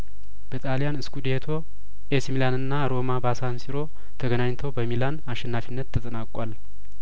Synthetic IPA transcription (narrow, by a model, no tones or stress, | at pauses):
b̥ət̪ʼalijanɨskud̪et̪ʰo̞ | ʔesmilanɨnːaɾo̞mabasansiɾo̞ | t̪ʰəɡənaɲt̪ʰəwbəmilanaʃɛnːafinːət̪ʰːət̪ʼənakʼwal